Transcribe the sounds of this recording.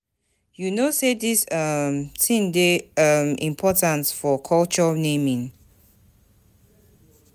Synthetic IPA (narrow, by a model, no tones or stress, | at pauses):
junosedisʌmsʰĩndeʌmḭ̃mpʰɔtãnsfɔkʰɔlt͡ʃɔnẽmĩŋ